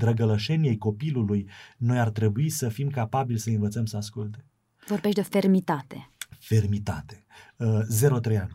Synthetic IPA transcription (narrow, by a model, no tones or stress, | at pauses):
d̪ɾəɡələʃe̞nie̞jko̞pilulujno̞jart̪ɾe̞buisəfimkapabilʲsəɨnvət̪səmsəaskult̪e̞ | vo̞rbeʃt̪̬ʲd̪efermit̪at̪e̞fe̞rmit̪a̰t̪e̞̥ | ze̞ɾo̞t̪ɾejanʲ